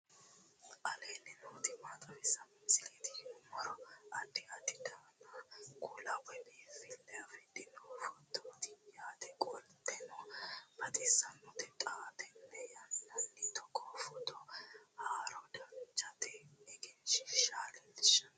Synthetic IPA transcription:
ʔɐleːnːɪnoːt̪ɪmaːt̪ʼɐwɛsːɐmɪsɪleːt̪ɪɔmɔɾɔɐd̪ɪat̪ɪd̪anakʼʊlɐwɔnɛfɪlːɛjɐfɛd̪ɪnɔfɔt̪ːɔt̪ɪjjaːt̪ɛkʼɔlt̪ʼɛnɔbɐt̪ʼɪsɐnːɔt̪ɛt̪ʼaːt̪ɛnːɛjɐnːɐnːɪt̪ɔkʼɔfɔt̪ːɔhaːɾɔd̪ɐnt͡ʃːɐt̪ɛɛɡɛnʃɪʃaːlɛlɪʃɐ̥

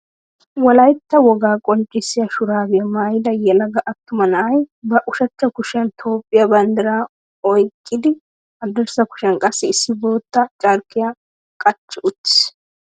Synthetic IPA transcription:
wɔlɐjt̪ːɐwɔɡaːkʼɔnt͡ʃʼːɪsːɪjɐʃʊɾaːɡɛjɐmaːjɪd̪ɐjɛlɐɡɐʔɐt̪ːʊmɐnɐʔɐjbɐʔʊʃɐt͡ʃːɐkʊʃɛnt̪ʰoːpʼːɪjabɐnd̪ɐɾa | ɔjkʼːɪd̪ɪ | ɐd̪ɔɾsɐkʊ̥ʃɛnkʼɐsːɪɪsːɪbo̞ːt̪ːɐt͡ʃʼɐɾkːɪja | kʼɐt͡ʃːɪʔʊt̪ːɪ̥s

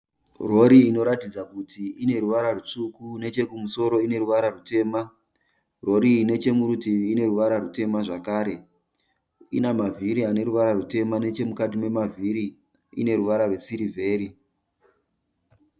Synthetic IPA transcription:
ro̞ɾiːno̞ɾatid͡zakutʰiine̞ruʋaɾarut͡ʂukune̞t͡ʃe̞kumuso̞ɾo̞ine̞ɾuʋaɾarute̞ːma | ro̞ɾiːne̞t͡ʃe̞muɾutiiːne̞ɾuʋaɾarute̞maʐakaːɾe̞ | inamavʱiɾiane̞ɾuʋaɾarute̞mane̞t͡ʃe̞mukat̬ime̞mavʱiɾi | ḭne̞ɾuʋaɾarwe̞siɾivʱe̞ːɾi

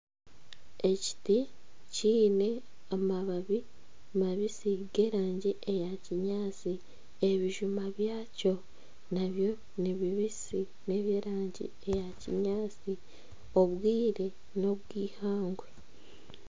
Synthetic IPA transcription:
e̞ci̥ti | ciːne̞ | amaβaβi | maβisiɡe̞ːɾaːɲɟiʔejaciɲaːt͡si | e̞βiʒumaβjaːco̞ | naβjo̞ | niβiβisi | ne̞βje̞ːɾaːɲɟḭ | e̞jacḭɲaːt͡si | o̞βwiːɾe̞ | no̞βwiːhaːŋɡwe̞

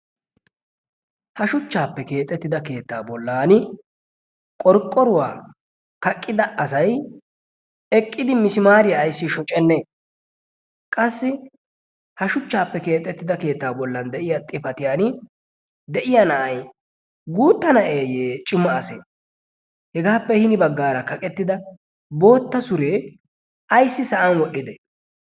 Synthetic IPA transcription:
hɐʃʊt͡ʃːaːpːɛke̞ːt̪ʼːɛt̪ːɪd̪ɐke̞ːt̪ːaːbɔlːaːnɪ | kʼɔɾkʼːɔɾʊwaː | kɐkʼːɪd̪ɐɐsɐj | ɛkʼːɪd̪ɪmɪsɪmaːɾɪjaːjsːɪʃɔt͡ʃʼɛnːe | kʼɐsːɪ | hɐʃʊt͡ʃːaːpːɛke̞ːt̪ʼːɛt̪ːɪd̪ɐke̞ːt̪ːaːbɔlːɐnd̪ɛʔɪjat̪ʼɪpɐt̪ɪjaːnɪ | d̪ɛʔɪjanɐʔɐj | ɡuːt̪ːɐnɐʔe̞ːjeːt͡ʃʼɪmːɐːsḛː | hɛɡaːpːɛhɪnɪbɐɡːaːɾɐkɐkʼɛt̪ːɪd̪ɐ | bo̞ːt̪ːɐsʊɾeː | ɐjsːɪsɐʔɐnwɔɗːɪd̪ɛ

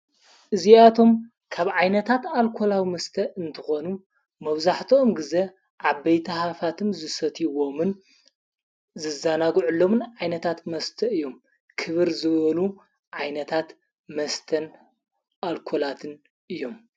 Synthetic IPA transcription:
ʔɨziat̪ʰo̞m | kʰaβʕajnɐt̪ʰat̪alkʰo̞lawimɐst̪ʰɐɨnt̪ʰɨxonu | mɐβzaħt̪ʰomɡɨze | ʕabːɐjt̪ʰɐhafat̪ʰɨmzɨsɐt̪ʰiwo̞mɨn | zɨzanaɡʕulːomɨnʕajnɐt̪ʰat̪mɐst̪ʰɐɨjːom | kʰɨβɨɾzɨβɐlu | ʕajnɐt̪ʰat̪ | mɐst̪ʰɐn | ʔalkʰolat̪ʰɨn | ʔɨjːom

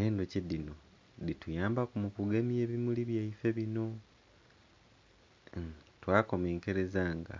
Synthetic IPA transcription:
eːndocedino̞ | ditujaːmbakumukuɡemieːβimuliβjaife̞βino̞ | twaːko̞me̞ːŋke̞ɾe̞zaŋɡa̰

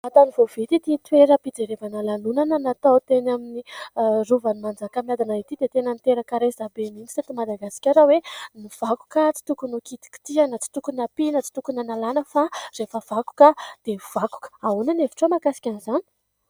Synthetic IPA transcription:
at̪anivovet̪it̪it̪weɾəpid͡zeɾevanalanunanənat̪awt̪enaminiruvanimand͡zakamilad̪anait̪id̪et̪enənt̪eɾəkaɾezabemini̥set̪imad̪aɡasi̥kʲaɾaweniv̥aku̥kat͡si̥t̪ukunukit̪i̥ki̥t̪ianət͡si̥t̪ukunapinət͡si̥t̪ukunanalanəfarefəv̥aku̥kəd̪̥ev̥aku̥kə̥aunanevi̥ʈ͡ʂomakasi̥kʲanizani̥

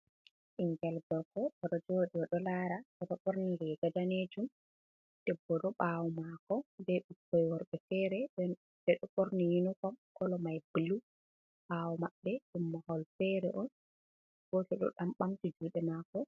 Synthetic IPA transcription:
ʔiŋɡɛlɡɔlkɔɗɔɗɔd͡ʒoɗiɔɗɔlaːɾaɔɗɔɓoɾnilɛɡad͡ʒaned͡ʒum | d̥ɛbːɔɗɔɓawɔmakɔdɛɗukːɔjwɔɾɓɛfɛɾɛɛ | dɛɗɔɓoɾnijinukɔmkɔlɔmajbilu | ɓawɔmaɓːɛɗumːahɔlfɛɾɛʔɔn | ɡ̥otɛɗɔ̰ɗamɓamtid͡ʒuɗɛmakɔ

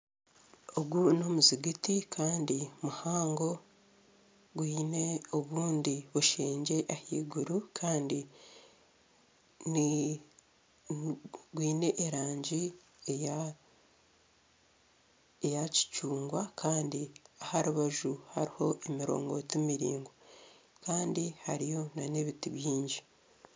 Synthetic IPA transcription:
oɡuno̞muziɡitikʰaːndimuhaːŋɡo̞ | ɡwiːneoβuːndiβuʃeːɲɟe̞ʔahḭːɡuɾukʰaːndi | ni | ɡwiːne̞ʔːɾaːɲɟi | e | ejaci̥t͡ʃuːŋɡwakʰaːndiahaɾuβaʒuhaɾiho̞ʔemiɾo̰ːŋɡo̞temiɾḭːŋɡo | kaːndihaɾijo̞naneβitiβjiːɲɟi

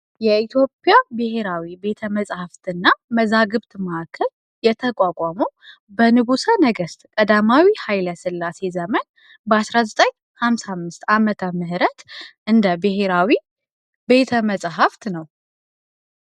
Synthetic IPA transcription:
jɛit̪ʰjo̞pʼjabɨhe̞ɾawibe̞t̪ʰəməsʼhaft̪ʰɨnːaməzaɡɨβt̪məʔakʰːəl | jɛt̪ʰəkʼakʷʼaməw | bənɨɡusanəɡəst̪kʼəd̪amawihajləsɨlːase̞zəmən | bəasɾazət̪ʼəɲ | hamsamːɨst̪amət̪ʰəmɨɦɾət̪ʔɨnd̪əbɨhe̞ɾawi | be̞t̪ʰəməsʼɦaft̪nəw

